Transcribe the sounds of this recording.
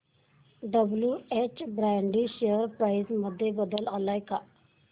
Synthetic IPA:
ɖəbljuːeːt͡ʃbɾɛːɳɖiːʃejəɾpɾaːɪzməd̪ːebəd̪əlalaːɪkaː

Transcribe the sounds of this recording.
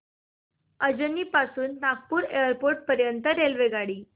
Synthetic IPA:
əd͡ʑənːiːpasuːnːak̚puːɾejəɾpoɾʈ̚pəɾjənt̪əɾelʋeɡaɽiː

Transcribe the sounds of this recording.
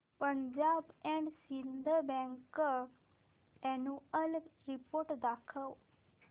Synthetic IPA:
pəɲd͡ʒaːbɛ̃ːɳɖsind̪əɾbɛ̃ːŋk | ɛːnũːəlɾipoːɾʈd̪aːkʰə

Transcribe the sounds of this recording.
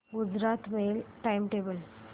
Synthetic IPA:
ɡud͡zɾat̪melʈajmʈebəl

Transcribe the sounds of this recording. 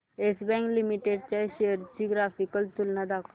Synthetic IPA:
esbɛ̃ŋklimiʈeɖt͡ɕaɕejəɾt͡ɕiɡɾafikəlt̪ulnad̪akʰ

